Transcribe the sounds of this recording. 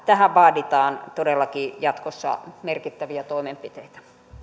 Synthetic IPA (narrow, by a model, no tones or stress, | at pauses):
t̪æhæʋʋɑːdit̪ɑːnt̪odelːɑkijɑt̪kosːɑ̰merkit̪ːæʋiæt̪oimempit̪eit̪æ̥